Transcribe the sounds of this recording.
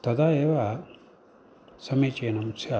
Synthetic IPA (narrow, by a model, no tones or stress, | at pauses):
t̪ɐd̪aːeːʋa | sɐmeːt͡ʃeːnɐmsʰja